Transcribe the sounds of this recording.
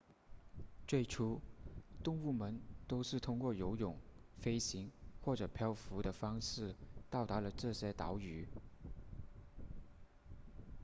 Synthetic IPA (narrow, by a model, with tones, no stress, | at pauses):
t͡swe˥˩ɪʈ͡ʂʰu˥t̪ʊ˥˧ŋu˥˩mə˧˥nt̪o˥ʊʂɻ̩˥˩t̪ʰʊ˥ŋkwɔ˥˩jo˧˥ʊjʊ˨˩˦ŋfe˥ɪɕi˧˥ŋxwɔ˥˩ʈ͡ʂɤ˨˩pʰjɑ˥ʊfu˧˥d̪ə˧fɑ˥ŋʂɻ̩˥˩t̪ɑ˥˩ʊt̪a˧˥lə˧ʈ͡ʂɤ˥˩ɕjɛ˥t̪ɑ˧˥ʊy˧˥˦